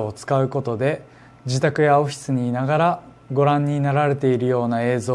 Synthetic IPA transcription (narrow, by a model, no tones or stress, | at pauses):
ot͡sɨ̥kaɯ̟ko̞t̪o̞d̪e̞ | d͡ʑit̪akɯ̟jao̞ɸʲi̥sɨɲ̟iːnaɡaɾa | ɡo̞ɾãɲ̟ːinaɾaɾe̞t̪e̞iɾɯ̟jo̞ːnae̞ːzoː